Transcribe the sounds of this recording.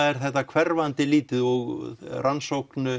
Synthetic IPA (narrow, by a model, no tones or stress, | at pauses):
ɛɾ̥θɛht̪ːakʰvɛɾvant̪ɪliːt̪ɪðɔɣrʔansowknʏ